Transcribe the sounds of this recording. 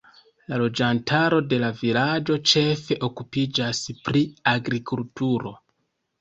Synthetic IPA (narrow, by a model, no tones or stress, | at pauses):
lalo̞d͡ʒantʰaɾo̞de̞lavilad͡ʒo̞t͡ʃe̞fe̞ʔo̞kupid͡ʒaspɾiaɡɾikultuɾo̞̰